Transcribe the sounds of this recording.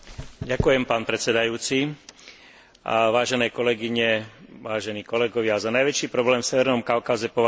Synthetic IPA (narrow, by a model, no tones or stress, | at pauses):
ɟakujɛmpaːnpɾɛt̪sɛd̪ajuːt͡si | ʋaːʒɛnɛːkɔlɛɡiɲɛʋaːʒɛniːkɔlɛɡɔʋɪazanajʋɛt͡ʃiːpɾɔblɛːmfsɛʋɛɾnɔmkaʊkazɛpɔʋa